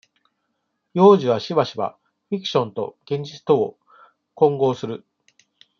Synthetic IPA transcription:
jo̞ːʑiβ̞aɕiβaɕiba̰ | ɸʲikɯ̟̥ɕõ̞nt̪o̞̰ɡ̥ẽ̞ɲ̟d͡ʑit͡sɨ̥t̪o̞ː | kõ̞ŋɡo̞ːsɨɾɯ̟

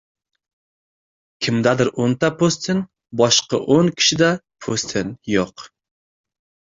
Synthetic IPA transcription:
kʲʰimd̪ɛd̪ɪɾont̪ʰɛpʰost̪ʰɪn | bɑʃqɑ̰ʔonkʲʰi̥ʃid̪ɛpʰost̪ʰɪnjoq

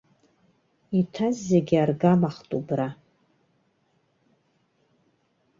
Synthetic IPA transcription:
itʰazːeɡʲarɡamaχtʼubra

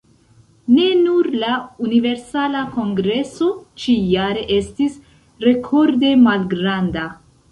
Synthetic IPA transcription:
ne̞nuɾlaunive̞ɾsalako̞ŋɡɾe̞so̞t͡ʃijaɾe̞ʔe̞stis | ɾe̞kʰo̞ɾde̞malɡɾanda

